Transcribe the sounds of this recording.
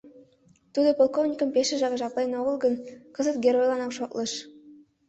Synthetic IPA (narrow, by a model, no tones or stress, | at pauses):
t̪ud̪opolˠkovnʲikə̆mpeʃĕʒɑʁɑʒɑklˠɑjnoʁɤ̆lˠɡə̆nkɤ̆zət̪ɡʲeɾojlˠɑnɑkʃoklˠɤʃ